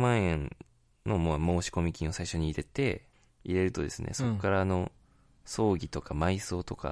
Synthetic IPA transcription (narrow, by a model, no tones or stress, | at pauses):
mãɰ̃ẽ̞n | no̞momo̞ːɕi̥ko̞mʲikʲĩɰ̃o̞saiɕo̞ɲ̟iːɾe̞t̪e̞ | iɾe̞ɾɯ̟t̪o̞d̪e̞sɨnʔḛso̞kkːaɾano̞ | so̞ːɡʲit̪o̞kamaiso̞ːt̪o̞ka̰